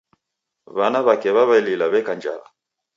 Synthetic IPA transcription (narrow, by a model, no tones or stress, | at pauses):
βanaβakɛβaβaililaβɛkand͡ʒa̰la̰